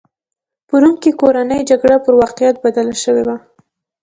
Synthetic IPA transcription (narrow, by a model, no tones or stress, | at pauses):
pəɾuŋkikoɾanəjd͡ʒaɡɽapəɾwɑqijat̪̚bad̪alaʃəwewa